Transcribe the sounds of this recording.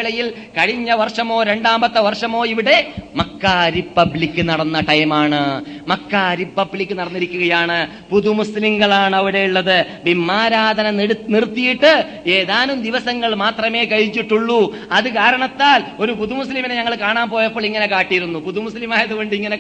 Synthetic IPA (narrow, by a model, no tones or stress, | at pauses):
ɭɐjil | kɐɻiɲːɐʋɐrʂɐmo̞ːɾe̞ɳɖaːmbɐt̪ːɐʋɐrʂɐmo̞ːiʋiɽe̞mɐkːaɾipːɐbɭikʲːɨnɐɽɐnːɐʈɐjmaːɳɨmɐkːaɾipːɐbɭikʲːɨnɐɽɐnːiɾikʲːuɣɐjaːɳɨ | puðumusliŋɡɐɭaːɳɨɐʋiɽe̞juɭːɐðɨ | bimːaːɾaːd̪ʱɐnɐɽnirt̪ːijiʈːɨ | eːðaːnumd̪iʋɐsɐŋːɐɭmaːt̪rɐme̞ːkɐɻit͡ɕːiʈːuɭːu | ɐðɨkaːɾɐɳɐt̪ːaːlo̞ɾupuðumuslimineɲɐŋːɐɭkaːɳaːnpoːjɐpːoːɭiŋːɐne̞kaːʈːijɾunːupuðumuslimaːjɐðuɣo̞ɳɖɨiŋːɐne